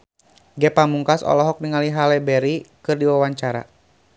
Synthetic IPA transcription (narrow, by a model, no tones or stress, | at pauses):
ɡɛpamuŋkasɔ̰lɔɦɔk̚niŋaliɦalɛbɛɾikɨrdiwawaɲt͡ʃaɾa̰